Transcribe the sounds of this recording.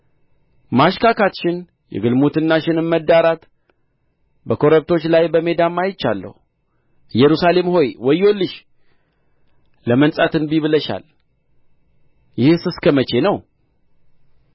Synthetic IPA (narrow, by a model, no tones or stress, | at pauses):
maʃkakʰat̪ʃɪn | jɛ̰ɡɨlmut̪ʰɨnːaʃɪnɨmmːəd̪ːaɾat̪ | bəkʰo̞ɾəβt̪ʰo̞t͡ʃːlajbəme̞d̪amːajɪt͡ʃːalːə̰hu | jɛɾusale̞mho̞jwɔjo̞lːɨʃ | ləmənsʼat̪ɨnbiβɨləʃa̰l | jɪhsɨskʰəmət͡ʃe̞nəw